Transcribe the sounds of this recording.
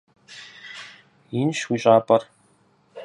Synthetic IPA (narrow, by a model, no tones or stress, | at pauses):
inʃwiɕʼaːpʼɐr